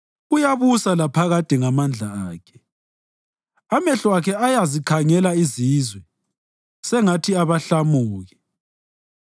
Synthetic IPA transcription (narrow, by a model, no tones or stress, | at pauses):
ɣujaβusalapʰaɣad̥ʱʼiŋamand͡ɮʱaaːkʰɛ̥ | amɛɬɔakʰɛajazikʰaŋɛlaizizwɛ | sɛŋatʰiaβaɬamuːɣi